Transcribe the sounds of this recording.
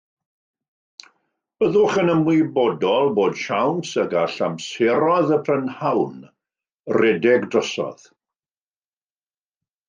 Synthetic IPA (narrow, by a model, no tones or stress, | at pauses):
b̥əðʊχənəmwɪbɔdɔlˠboːd̥ʃawnsəɡaɬamsɛɾɔðəpʰrənhawn | rɛdɛɡdrəsɔ̰ð̥